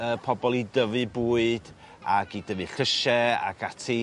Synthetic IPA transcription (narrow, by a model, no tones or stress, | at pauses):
əːpʰɔbɔlˠidəvɨbuːɨd̥ | aɡidəvɨɬəʃɛa̰ɡatʰi